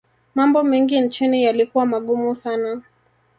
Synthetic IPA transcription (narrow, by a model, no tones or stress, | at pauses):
mambɔmɛŋɡin̩t͡ʃinijalikuwamaɠumusana